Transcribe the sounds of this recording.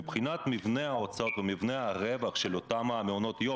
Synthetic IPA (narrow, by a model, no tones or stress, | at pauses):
ibχinat̪mivnehaot͡sot̪vemivneaʁevaχʃelot̪amameono̞t̪jo